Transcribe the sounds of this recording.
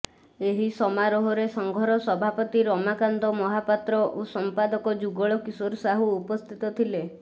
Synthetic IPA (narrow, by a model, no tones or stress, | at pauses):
eɦisɔmaɾɔɦɔɾesɔŋɡʱɔɾɔsɔbʱapɔt̪iɾɔmakand̪ɔmɔɦapat̪ɾɔʔosɔmpad̪ɔkɔd͡ʒuɡɔɭɔkisoɾsaɦuupɔst̪ʰit̪ɔt̪ʰile